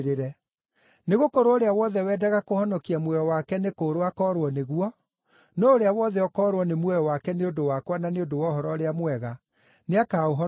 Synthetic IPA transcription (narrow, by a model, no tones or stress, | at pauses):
ɾeɾɛ | neɣokoɾooɾeawɔðɛwɛːdaɣakohɔnɔkiamwɛjɔwakɛnekoːɾoakɔːɾwɔneɣuɔ | nɔoɾeawɔðɛɔkɔːɾwɔnemwɛjɔwakɛneodowakwananeodowɔɦɔɾɔɾeamwɛɣa | neakaːoɦɔ